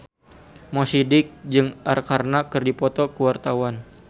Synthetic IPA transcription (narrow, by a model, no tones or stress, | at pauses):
mɔsidɪk̚d͡ʒɨŋʔarkarnakɨrdipɔt̪ɔkəwart̪awan